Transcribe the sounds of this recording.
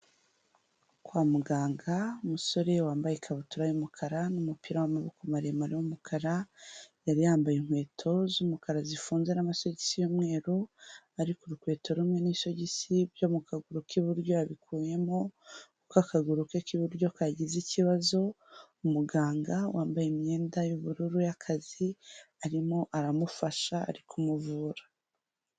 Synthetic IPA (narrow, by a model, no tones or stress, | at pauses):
kwaːmuɡaːŋɡaumuso̞ɾe̞waːmbajekʰaβutuɾajumukʰaɾanumupiɾawamaβukomaɾemaɾimumukʰaɾajaɾijaːmbajiŋ̥hwe̞ːtʰo̞zumukaɾazifuːnze̞namaso̞ɟisijomŋe̞ːɾuaɾikuɾukwe̞ːto̞ɾumŋe̞niso̞ɟisibjo̞mukʰaɡuɾukiβuɾɟo̞aβikʰuːje̞mo̞kukakaɡuɾukekiβuɾɟo̞kaɟiziciβazo̞ | umuɡaːŋɡawʔaːmbajemɲe̞ːndajuβuɾuɾujakʰaziaɾimo̞ʔaɾamufaʃa̰ːɾikʰumuvuːɾḁ